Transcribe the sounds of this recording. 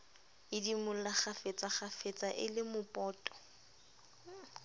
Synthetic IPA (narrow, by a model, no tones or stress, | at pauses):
ɪdimʊl̩laχafet͡sʼaχafet͡sʼaʔɪlɪmʊpʼɔːtʼɔ̥